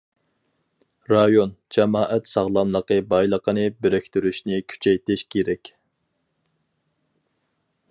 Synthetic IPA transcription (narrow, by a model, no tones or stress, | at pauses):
ɾɑjond͡ʒɛmɑːʔɛt̪sɑʁlˠɑmlˠəqəbɑjlˠəqənɨbeɾɛkʲt̪yɾyʃnɪkʲʰy̥t͡ʃʰɛjt̪ɪʃkʲʰeɾɛkʲ